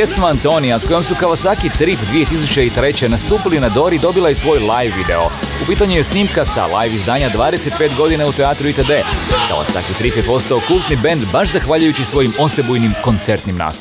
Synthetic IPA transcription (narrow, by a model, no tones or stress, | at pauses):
jesmaant̪o̞nijasko̞jo̞msukaʋasaːkit̪ɾiːpd̪ʋije̞t̪is̬ut͡ɕe̞it̪ɾe̞t͡ɕenast̪uːpilinad̪o̞ɾid̪o̞bilˠajesʋo̞ːjlˠajʋːid̪ɛ̰o̞̰upiːt̪aɲujesniːmkasa̰la̰jʋizd̪aːɲad̪ʋaːd̪ese̞t̪̚peːt̪ɡo̞d̪inaut̪ɛaːt̪ɾuit̪ed̪e̞ːka̰ʋa̰sa̰kit̪ɾiːpjepo̞st̪aokulˠt̪nibe̞nd̪baʃzaxʋaːʎujut͡ɕisʋo̞jimo̞se̞bujnimko̞nt̪se̞ɾt̪nimna̰ːst̪u